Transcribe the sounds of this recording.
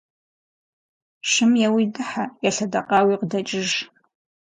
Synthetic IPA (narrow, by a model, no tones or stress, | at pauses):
ʃɪmjɛwidɨħajaɬɐdɐqʼɑːwiːqdɐt͡ʃʼɪʒ